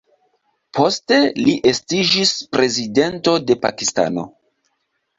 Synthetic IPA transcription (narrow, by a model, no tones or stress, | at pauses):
po̞ste̞liʔe̞stid͡ʒispɾʔe̞zide̞nto̞de̞pa̰kista̰no̞̰